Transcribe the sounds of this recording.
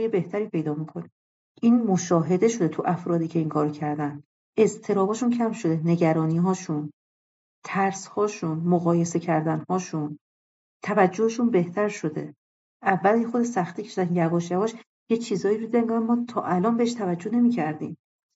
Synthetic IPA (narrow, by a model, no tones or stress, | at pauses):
jebe̞ht̪ʰæɾiːpʰe̞jd̪ɒːmikʰo̞ni | ʔiːnmoʃɒːɦe̞d̪e̞ʃo̞d̪e̞t̪ʰuʔæfɾɒːd̪iːcʰe̞iŋkʰɒːɾocʰæɾd̪æn | e̞zt̪ʰe̞ɾɒːbɒːʃuncʰæmʃo̞d̪e̞ne̞ɟæɾɒːniːɦɒːʃun | t̪ʰæɾshɒːʃunmoɣɒːje̞se̞cʰæɾd̪ænhɒːʃun | t̪ʰævæd͡ʒːoheʃunbe̞ht̪ʰæɾʃo̞d̪e̞̰ | ʔævːæljexod̪eʃsæxt̪iːcʰeʃd̪ænjævɒːʃjævɒːʃ | jet͡ʃʰiːzɒːiɾod̪id̪æmɡænmɒːt̪ʰɒːʔælɒːnmbeeʃ̬t̪ʰævæd͡ʒːohne̞miːcʰæɾd̪ḭːm